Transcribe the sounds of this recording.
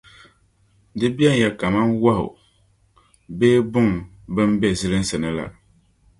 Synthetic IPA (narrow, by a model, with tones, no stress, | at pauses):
dɨ˦bi˦ɛ˦n˨ja˨ka˨ma˦nwa˦hʊ̰˨ | beː˦bʊ˦ŋ | bɨ˦m˦bɛ˦˨zɨ˦lɨ˦n̩˦sɨ˨nɨ˦la̰˨